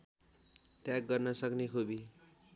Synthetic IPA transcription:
t̪jak̚ɡʌrnʌsʌknekʰobi

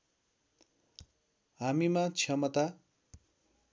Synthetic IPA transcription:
ɦamimat͡sʰjʌmʌt̪a

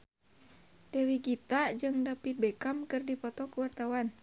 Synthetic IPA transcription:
d̥ɛwiɡit̪ad͡ʒɨŋdapit̪̚bɛkamkɨrdipɔt̪ɔkəwart̪awan

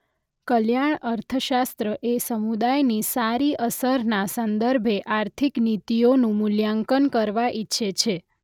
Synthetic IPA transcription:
kəljaɳəɾt̪ʰəʃast̪ɾəʔesəmud̪ajnisaɾiʔəsəɾnasənd̪əɾbʱeʔaɾt̪ʰiknit̪ionũmʊljaŋkənkəɾʋaʔitːʃʰet͡ʃʰe

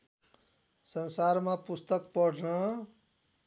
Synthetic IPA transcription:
sʌnsaɾmãpust̪ʌkpʌɖʱnʌ

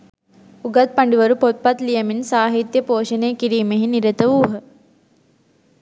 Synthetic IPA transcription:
uɡat̪̚paɳɖiʋəɾupot̪̚pat̪lijəminsaːɦit̪jəpoːʃənejkiɾiːmeɦiniɾət̪əʋuːɦə

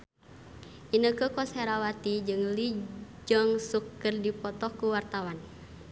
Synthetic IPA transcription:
ʔinəkəkɔsɛɾawat̪id͡ʒɨŋlid͡ʒɔŋsukːərdipɔt̪ɔkuwart̪awan

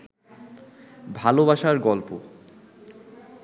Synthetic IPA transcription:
bʱalobaʃaɾɡɔlpo

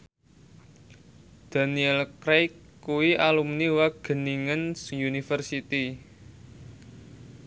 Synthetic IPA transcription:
d̪̥a̤niɛlkɾejkː | uwiʔalumniwaɡ̥ə̤niŋənsjunifərsit̪i

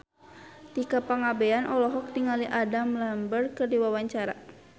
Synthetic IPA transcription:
t̪ikapaŋabɛanʔɔlɔɦɔk̚t̪iŋaliʔadamlambərkɨrdiwawaɲt͡ʃaɾa̰

